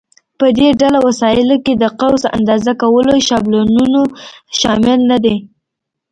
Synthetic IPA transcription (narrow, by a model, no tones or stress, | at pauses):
pəd̪eɖalawasɑɪloked̪əqawza̰nd̪ɑzakawəloʃɑblonunoʃɑmɪlnad̪e